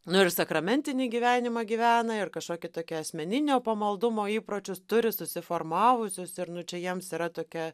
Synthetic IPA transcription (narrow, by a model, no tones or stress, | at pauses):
nʊɪrsɐkɾɐmʲɛnʲt̪ʲɪnʲiːɡʲiːʋʲæːnʲɪmɐɡʲiːʋʲæːnɐɪrkɐʃkoːkʲɪt̪oːkʲɛɐsʲmʲɛnʲɪnʲoːpɐmɐlˠd̪ʊmoːiːpɾoːt͡ʃʲʊst̪ʊɾʲɪsʊsʲɪfoːrmɑːʋʊsʲʊsɪɾnʊt͡ʃʲɛjiɛmsiːɾɐt̪oːkʲɛ